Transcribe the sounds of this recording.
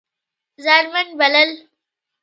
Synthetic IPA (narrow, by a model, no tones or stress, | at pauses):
zaɾmɐnbɐləl